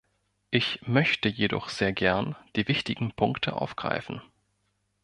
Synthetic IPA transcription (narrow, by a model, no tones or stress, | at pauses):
ʔɪçmœçtəjedɔ̰χz̥eːɐɡɛɐnd̥iːvɪçtɪɡŋ̩pʰʊŋktʰə̰ʔa̰ʊfɡ̥ʁ̥a̰ɪfn̩